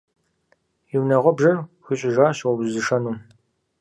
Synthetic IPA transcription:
jiwnɐʁʷɔbʒɐrxiɕʼɪʒaːɕwɔbzɨʂɐnuː

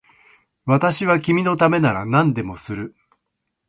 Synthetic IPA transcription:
βat̪aɕiβakʲimʲino̞t̪ame̞naɾa̰nãnd̪e̞mo̞sɨɾɯ̟

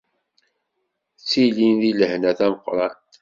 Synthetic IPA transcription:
t͡sːilinðiləhnæθæməqːɾˤɑn

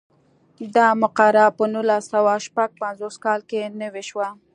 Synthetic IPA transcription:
d̪ɑmʊqaɾɑpənulasawaʃpaɡ̚panzoskɑlkenəweʃwa

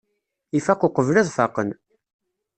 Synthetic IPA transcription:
ifæqʊqəvlæðˤfɑ̰qən

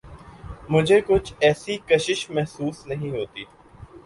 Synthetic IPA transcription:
mʊd͡ʒʱekʊt͡ʃʰɛːsikɐʃɪʃmɛɦsuːsnɐɦĩɦoːt̪iː

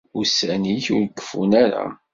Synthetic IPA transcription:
ʊsæniçʊɾəkːə̥funæɾa̰

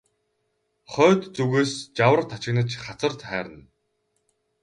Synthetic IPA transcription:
χɔːt̪t͡suɣeːst͡ɕawə̆rt̪ʰːat͡ɕɪ̆ɣnə̆t͡ɕχat͡sə̆rt̪χæːɾə̆n

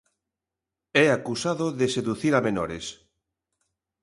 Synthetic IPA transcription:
ɛakusaðoðeseðuθiɾamenɔɾes

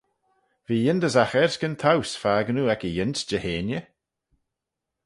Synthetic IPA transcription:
viːjɪnd̪əzaxɛɹskənt̪ʰawsfaːɡənuːɛkəjɪnsd͡ʒəheːnjə

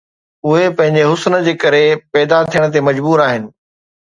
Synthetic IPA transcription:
ʊɦepɐ̃ɦɪ̃ɲ̆d͡ʑeɦʊsnə̆d͡ʑeːkɐɾepɛːd̪at̪ʰijəɽ̃ət̪̬emɐd͡ʑbuːɾaːɦɪnɪ̆

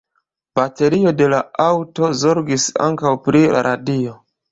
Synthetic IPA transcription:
b̥ate̞ɾio̞de̞laawto̞zo̞ɾɡisa̰ŋkawpɾila̰ɾʔadio̞

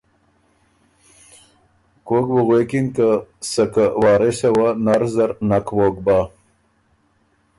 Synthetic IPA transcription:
koːkbuɣwekinkasakawɑːɾesewanaɾzaɾnakwoːk̚ba

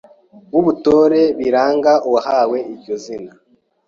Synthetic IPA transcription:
βuβuto̞ːɾe̞βiɾaːŋɡaʔuwahaːwe̞iɾjɟo̞zina

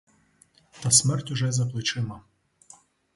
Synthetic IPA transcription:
t̪ɐsʲmɛrtʲʊʒɛzɐplˠɪt͡ʃɪmɐ

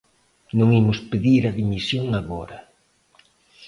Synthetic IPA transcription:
nõŋimʊspeðiɾaðimisjoŋaɣɔɾɐ

